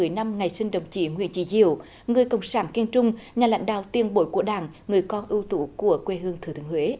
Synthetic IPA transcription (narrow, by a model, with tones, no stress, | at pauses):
ɨ˨˩əjna˧mŋa˨˩jsï˧ŋ̟ɗə˨˩wŋ͡mt͡ɕḭ˧˩ŋwḭ˧˨ənt͡ɕḭ˧˩˦zḭ˧˨əw | ŋɨ˨˩əjkə̰˧˨wŋ͡msaː˧˩nki˧ənt͡ɕʊ˧ŋ͡mɲaː˨˩la̰˧˥˦jŋ̟ɗa̰ː˧˨wt̪i˧ənɓo̰˧˦jku˧˩əɗaː˧˨˩ŋ | ŋɨ˨˩əjkɔ˧nʔɨ˧wt̪ṵ˧˦ku˧˩əkwe˧ɦɨ˧əŋt̪ʰɨ˨˧˩t̪ʰɨ˧˨˦ŋhwe˨˦